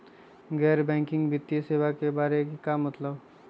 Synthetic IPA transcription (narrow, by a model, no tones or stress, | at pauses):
ɡɛːɾbɛ̃ːŋkɪ̃ŋɡbɪt̪ːjiseːʋakebaːɾekikamɐt̪ləb